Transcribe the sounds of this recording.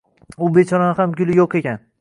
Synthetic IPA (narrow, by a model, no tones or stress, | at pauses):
ʊbet͡ʃʰɒɾɒnɪhamɡʲʊlɪjoqe̞kʲan